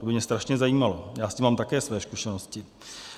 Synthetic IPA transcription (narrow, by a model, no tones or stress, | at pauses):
obɪmɲɛst̪ɾaʃɲɛzajiːmalojaːscɪmaːmt̪akɛːsvɛːskuʃɛnoscɪ